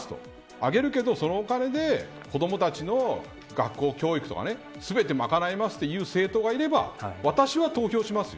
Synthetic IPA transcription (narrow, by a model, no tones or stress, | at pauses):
sɨ̥t̪o̰ | aɡe̞ɾɯ̟ke̞d̪o̞so̞no̞ːkane̞d̪e̞ | ko̞d̪o̞mo̞t̪at͡ɕino̞ | ɡa̰kːo̞ːkʲo̞ːikɯ̥t̪o̞ka̰ne̞ | sɨbe̞t̪e̞makanaimasɨ̥t̪ːe̞jɯ̟ːse̞ːt̪o̞ːɡaiɾe̞ba̰βat̪aɕiβat̪o̞ːço̞ːɕimasɨjo̰